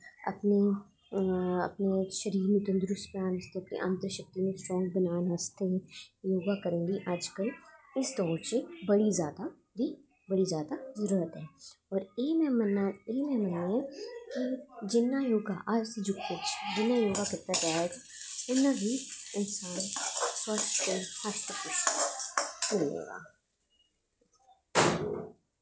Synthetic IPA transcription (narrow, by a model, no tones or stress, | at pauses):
ɐ̰pne | ɐ̰pneʃɐɾiːɾnɪt̪ə̃nd̪ɾʊspaːnɐst̪eɐpnḛʔɐ̃nt̪ɾəʃɐk̚t̪imẽsʈɾɔ̃ːŋɡ̚bɐnaːnɦɐst̪ejoːɡakɐɾẽːɡiʔaːd͡ʒkəlɪsd̪ɔːt͡ʃebɐɽizjaːd̪a | bʱi | bɐɽizjaːd̪azɐɾuɾət̪ɦɛːɔːɾeːmmneːmɛ̃mənːeɛkid͡ʒɪnːajoːɡaʔaːd͡ʒsed͡ʒʊkpɪt͡ʃʰd͡ʒɪnːajoːɡakɪɾt̪ad͡ʒaaɛt̪ʰa | ʊnːabʱiɪnsaːnsɐɾskehast̪əpɪs | kʊlḛːɡa̰ː